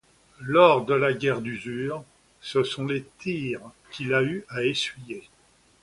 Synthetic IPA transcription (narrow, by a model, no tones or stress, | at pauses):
lɔʁd̪əlaɡʲɛʁd̪yzyːʁ | səsɔ̃let̪iʁ | kʲilayaesɥije